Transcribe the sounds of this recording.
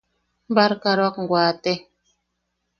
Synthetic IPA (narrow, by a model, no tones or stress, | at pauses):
m̩baɾkaɾwakŋ̩ɡwaːte